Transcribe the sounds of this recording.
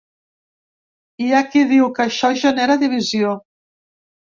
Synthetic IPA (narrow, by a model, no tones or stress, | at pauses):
iakiðiwkəʃɔʒəneɾəðiβ̞izio